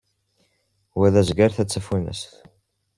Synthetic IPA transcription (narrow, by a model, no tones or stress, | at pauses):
wæðæzɡəɾθæt͡sːəfinə̰sθ